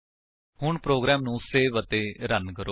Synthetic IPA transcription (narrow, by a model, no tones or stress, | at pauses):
hʊɳpɾoːɡɾɛːmnũːseːʋət̪eːɾənkəɾo